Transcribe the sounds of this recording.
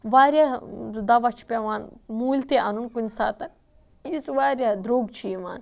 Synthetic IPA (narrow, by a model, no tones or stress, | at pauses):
ʋaːɾjad̪ɐʋat͡ʃʰi̥pʲaʋaːnmuːlʲt̪eʔɐnunkunʲsaːt̪ɐn | isʋaːɾʲjad̪ɾoːɡt͡ʃʰiima̰ːn